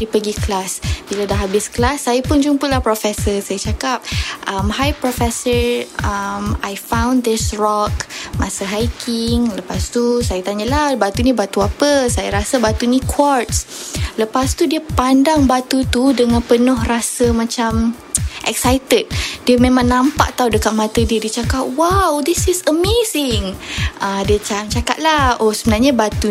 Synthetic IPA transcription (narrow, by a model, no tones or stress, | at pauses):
dipəɡiklasbiladaɦabɪsklasːajapʊnd͡ʒumpʊlahpɾofɛsəsajət͡ʃakap̚ʔamhajpɾɔfɛsəɹamajfãw̃nd̪ɪsɹɔkmasəɦajkʰɪŋləpast̪usajat̪aɲəlahbat̪unĩbat̪uapəsajaɾasəbat̪unikʰwɔrtsləpast̪udiəpandaŋbat̪ut̪udəŋãnpənɔhrasəmãt͡ʃam | ʔɛksajt̪ət̚diəmẽmãŋnãmpa̰ʔt̪awdəkat̪̚mãt̪ədiədiət͡ʃakap̚wawd̪isɪsəmezɪŋʔadiət͡ʃamt͡ʃakaʔ̪̚laosəbənarɲabat̪u